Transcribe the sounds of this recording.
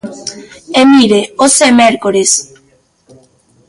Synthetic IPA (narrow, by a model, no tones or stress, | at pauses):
emiɾeosemeɾkoɾes